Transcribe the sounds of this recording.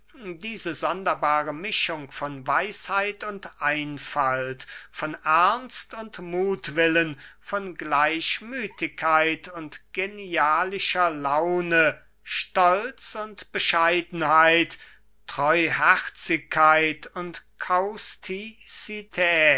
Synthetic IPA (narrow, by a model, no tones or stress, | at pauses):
diːzəzɔndɐbaːʁəmɪʃʊŋfɔnvaɪshaɪtʊntʔaɪnfaltfɔnʔɛɐnstʊntmuːtv̥ɪlənfɔnɡlaɪʃmyːtɪkʰːaɪtʰʊntɡ̥eniaːlɪʃɐlaʊnə | ʃtɔlt͡sʊntb̥əʃaɪdn̩haɪt | tʁ̥ɔʏhɛʁt͡sɪkʰːaɪtʊntkʰaʊstʰisitʰɛː